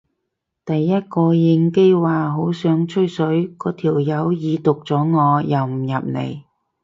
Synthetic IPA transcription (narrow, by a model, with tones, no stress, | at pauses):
t̪ɐ˨jːɐ˥t̚kɔː˧jɪ˧ŋke˥waː˨ɦo˨˥wsœː˨˥ŋt͡ʃʰɵ˥jsɵ˨˥ɥkɔː˨˥t̪ʰiː˨˩wjɐ˨˧wjiː˨˧t̪ʊ˨k̚t͡sɔː˨˥ŋɔː˨˧jɐ˨wm̩˨˩jɐ˨p̚nḛ˨˩j